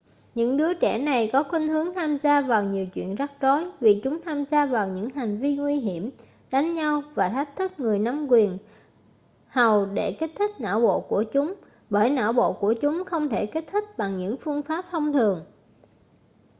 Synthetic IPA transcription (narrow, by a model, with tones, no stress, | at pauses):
ɲɨ̰˧˥ŋɗɨ˨˦ət͡ɕɛ̰˧˩na˨˩jkɔ˨˦kwi˧ŋ̟hɨ˨˦əŋt̪ʰaː˧mzaː˧vaː˨˩wɲi˨˩əwt͡ɕwḭ˧˨ənza˦˥k̚zɔ˨˦jvi˨˩t͡ɕʊ˨˦ŋ͡mt̪ʰaː˧mzaː˧vaː˨˩wɲɨ̰˧˥ŋɦa˨˩jŋ̟vi˧ŋwi˧ɦi˧˩əm | ɗa˨˦ŋ̟ɲa˧wvaː˨˩t̪ʰɛ˦˥k̟̚t̪ʰɨ˦˥k̚ŋɨ˨˩əjna˨˦mkwi˨˩ən | ha˨˩wɗe˧˩ke˦˥t̚t̪ʰï˦˥k̚na̰ː˧˥˩wɓo̰˧˨ku˧˩ət͡ɕʊ˨˦ŋ͡m | ɓəː˧˩jna̰ː˧˥wɓo̰˧˨ku˧˩ət͡ɕʊ˨˦ŋ͡mxə˧wŋ͡mt̪ʰe˧˩ke˦˥t̚t̪ʰï˦˥k̚ɓa˨˩ŋɲɨ̰˧˥ŋfɨ˧əŋfaː˦˥p̚t̪ʰə˧wŋ͡mt̪ʰɨ˨˩əŋ